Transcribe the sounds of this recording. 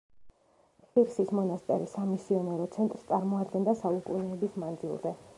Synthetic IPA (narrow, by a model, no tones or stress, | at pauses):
χiɾsismɔnast̪ʼɛ̰ɾisamisiɔnɛɾɔt̪sʰɛnt̪ʼɾst̪sʼaɾmɔad̪̚ɡɛnd̪asaukʼṵnɛːbismand̪zḭlˠdzɛ